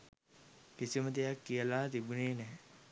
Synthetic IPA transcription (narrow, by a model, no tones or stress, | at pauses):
kisimət̪ijakːijəlaːt̪ibuneːnɛː